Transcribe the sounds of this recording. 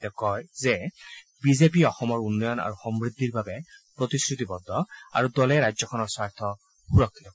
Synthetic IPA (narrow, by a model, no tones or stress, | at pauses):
t̪ɛkɔjzɛ | bizepiɔxɔmɔɹunːɔjɔna̰ɹuxɔmbɹid̪ʱːiɹbabɛpɹot̪iskɹut̪ibɔd̪ʱːɔa̰ɹudɔlɛɹajzɔkʰɔnɔɹsaɹt̪ʰɔ | xuɹɔkʰːit̪ɔ